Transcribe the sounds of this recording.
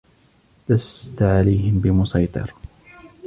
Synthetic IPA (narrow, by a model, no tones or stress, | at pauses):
d̪ast̪ʕalajɦɪmbɪmʊsɑjt̪ˤɨ̰ɾ